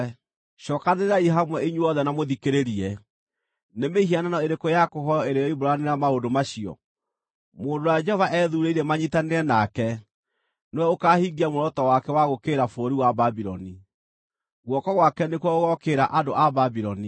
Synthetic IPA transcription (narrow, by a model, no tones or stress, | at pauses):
ɕɔːkaneɾɾaiɦamwɛiɲuɔðɛnamoðikeɾeɾiɛ | nemeɦiananɔeɾekojakoɦɔɔeɾejɔiboɾaneɾamaodomaɕiɔ̰ | moːndowad͡ʒɛhɔvaʔɛðuɾeiɾɛmaɲitaneɛnakɛ | newɛokahiɡiamoɾɔtɔwakɛwaɣokeːɾafoɾiwababiɾɔ̰ni | ɣwɔkɔɣwakɛnekwɔoɣɔkeɾaʔadoʔababiɾɔni